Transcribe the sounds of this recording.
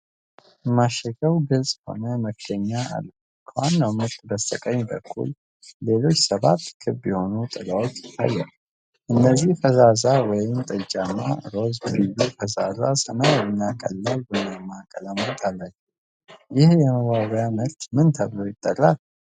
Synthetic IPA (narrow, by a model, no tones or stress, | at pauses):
maʃəkəwɡɨlsʼho̞̰nəməkʰːəɲːaa̰lː | kʰəwanːawmət̪ːbəst̪ʼəkʼəɲːbəkʰːṵl | le̞lo̞t͡ʃːsəβat̪ːkʰɨbjɛho̞nut̪ʼɨɡʼawot͡ʃːɪt̪ʰːa̰jːɛl | ʔɨnːəzːihfəzazawɔjɪmt̪ʼəd͡ʒʼamːaɾo̞zɡɨjufəza̰zasɨnajɛmiakʼəlːalbunːamːakʼələmət̪ʰalːat͡ʃːɛw | jɪhjɛməɡaβjaməɾt̪mɨnt̪ʰəβlojɪt̪ʼːərːal